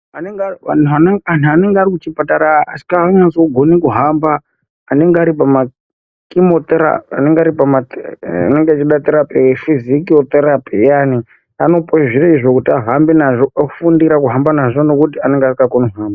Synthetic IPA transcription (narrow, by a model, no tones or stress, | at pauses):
aneŋɡanuananuaneŋɡaɾikut͡ʃipataɾaasi̥kaaɲasoɡʱo̞nikuɦambaː | ne̞ŋɡeaɾipama | kimot̪eɾa̰a̰neŋɡaɾipamata̰neŋɡeat͡ʃiɗat̪eɾapiwefizikiot̪eɾapijani | ano̞poeʐireiʐokutiaɦambenaʐoakufundiɾakuɦambanaʐo̞no̞kutiane̞ŋɡeasikakoniɦaːmba